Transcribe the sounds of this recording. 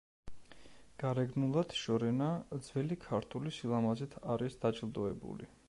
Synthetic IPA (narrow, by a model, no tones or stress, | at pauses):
ɡ̥aɾɛɡnulˠad̪̥ʃɔɾɛnad̪z̥vɛlikʰaɾt̪ʰulisilˠamazɛt̪ʰaɾisd̪̥at͡ʃʼlˠd̪ɔɛbṵlḭ